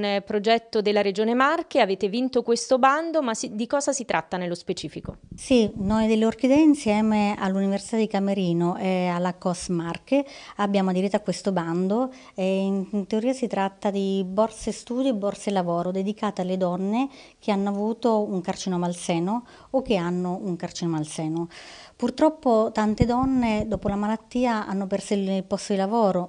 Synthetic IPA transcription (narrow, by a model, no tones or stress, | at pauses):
npɾod͡ʒɛt̪ːod̪elːaɾed͡ʒoːnemarkeaveːt̪evint̪okwest̪oband̪omasid̪ikɔːzasit̪ɾʔa̰t̪ːanelːospet͡ʃiːfikosinojd̪elːeork̟id̪ɛinsjɛːmea̰lːuniversit̪ad̪ːikameɾiːnoʔɛalːakɔsmarkeabːjaːmoad̪iɾit̪ːoakːwest̪oband̪o | eint̪eoɾiːasit̪ɾat̪ːad̪ibɔrsest̪uːd̪iebːɔrselavɔːɾod̪ed̪ikaːt̪ealːed̪ɔnːe | k̟ʰeanːoavuːt̪ouŋkart͡ʃinomalsɛːnoː | k̟ːeanːouŋkart͡ʃinomalsɛːnopurt̪ɾɔpːot̪ant̪ed̪ɔnːed̪ɔːpolamalat̪ːiːaa̰nːopɛrsoililpɔst̪od̪ilavɔːɾo